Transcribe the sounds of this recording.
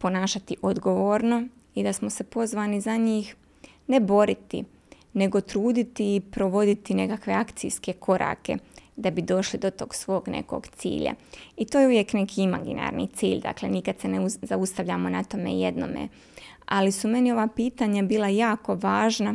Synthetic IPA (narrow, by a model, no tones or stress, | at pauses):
po̞naːʃat̪iʔod̪ɡo̞ʋoːɾno̞ | id̪asmose̞po̞zʋaːnizaɲiːx | ne̞bo̞ɾit̪ḭ | ne̞ɡo̞t̪ɾuːd̪it̪iːpɾo̞ʋo̞d̪it̪ine̞kakʋe̞akt̪sḭjske̞kʰo̞ɾʔa̰ːke̞̰d̪abid̪o̞ʃlid̪o̞t̪o̞̰ːɡsʋo̞ːɡne̞̰ko̞̰ɡt̪sḭːʎa̰it̪ojeuʋje̞kne̞kiima̰ɡḭna̰ɾnḭt̪siːʎd̪a̰klḛnikad̪̥senezaust̪aʋʎaːmonat̪o̞mḛːjed̪no̰mḛ | alisume̞nio̞ʋaːpiːt̪aɲabiːlˠajaːko̞ʋaːʒna